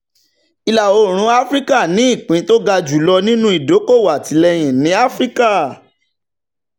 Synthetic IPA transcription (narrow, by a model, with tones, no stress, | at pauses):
i˧la˨o˧˨ɾ̃ũ˨˦a˦fɾi˦ka˦˨nĩ˨˦i˦˨k͡pĩ˨˦to˦ɡa˧d͡ʒu˨˦lɔ˧nĩ˦nũ˦i˦˨do˨˦ko˦˨wa˨tʰi˨˦lɛ˧j̃ĩ˨nĩ˨˦a˦fɾi˦ka˦˨